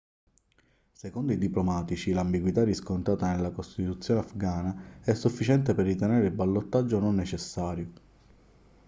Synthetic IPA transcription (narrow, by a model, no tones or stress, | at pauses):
sekond̪oid̪iplomaːt̪it͡ʃilambiɡwit̪arːiskont̪ɾaːt̪anelːakost̪it̪ut̪sːjoːneafɡaːnaɛsːufːit͡ʃɛnt̪eperːit̪eneːɾeilbalːot̪ːad͡ʒːononːet͡ʃesːaːɾjo